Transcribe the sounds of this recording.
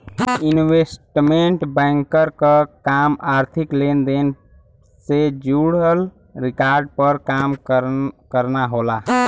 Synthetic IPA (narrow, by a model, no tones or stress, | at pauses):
inwesʈmeɳʈbə̃ŋkəɾkəkamaɾt̪ʰiklend̪en | sed͡ʒuɽɦəl | ɾikaɾɖ̚pəɾkam | kəɾnaɦola